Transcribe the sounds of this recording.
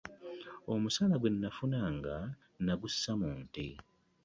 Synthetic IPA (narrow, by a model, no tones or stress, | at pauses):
o̞musalaɡwe̞nːafunaŋɡa | naɡusːamuːnti